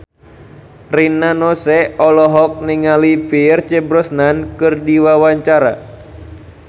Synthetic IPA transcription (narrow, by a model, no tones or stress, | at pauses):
rinanɔsɛɔlɔɦɔk̚niŋalipirt͡ʃɛbɾɔsnankɨrdiwawaɲt͡ʃaɾa̰